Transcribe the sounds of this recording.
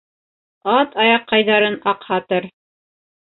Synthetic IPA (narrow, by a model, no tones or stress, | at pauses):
ɑt̪ʰɑjɑqːɑjðɑɾɤnɑqhɑt̪ɤɾ